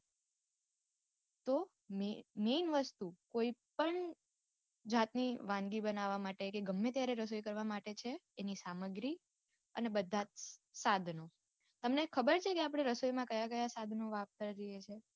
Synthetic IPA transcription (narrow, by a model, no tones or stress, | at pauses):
t̪o | menʋəst̪ukoipəɳ | d͡ʒat̪niʋãnɡibənaʋamaʈekeɡəmːet̪jaɾeɾəs̬ojkəɾʋamaʈet͡ʃʰeːnisaməɡɾi | ənebəd̪ʱːat̪sad̪ʱno | t̪əmnekʰəbəɾt͡ʃʰekeapɽ̃eɾəsojmãkəjakəjasad̪ʱnoʋap̚t̪əɾɾiɦet͡ʃʰe